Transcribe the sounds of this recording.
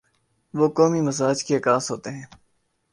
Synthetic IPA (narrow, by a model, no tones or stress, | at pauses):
ʋoːkɔːmiməzaːd͡ʒkeəkãːsɦoːt̪eɦɛ̃ː